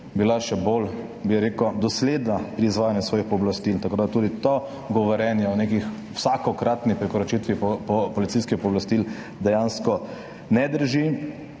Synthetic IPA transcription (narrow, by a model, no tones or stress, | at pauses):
bilaʃɛbol | biɛɾeːkod̪ɔsleːd̪napɾiːzʋaːjanjɛsʋɔːjixpɔblast̪ilt̪akoːd̪at̪uːd̪it̪ɔ | ɡɔʋɔɾjɛnjɛɔnekix | wsakɔkɾat̪nixpɾikɔɾɔt͡ʃit̪ʋiɔpɔpɔlit̪siskixpɔblast̪il | d̪ɛjaːnskɔ | nɛd̪əɾʒi